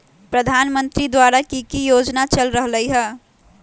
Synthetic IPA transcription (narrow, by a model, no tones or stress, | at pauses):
pɾəd̪ʱaːnmə̃nt̪ɾid̪waːɾakikijoːd͡ʒnat͡ʃəlɾəɦləiɦɛ̃ː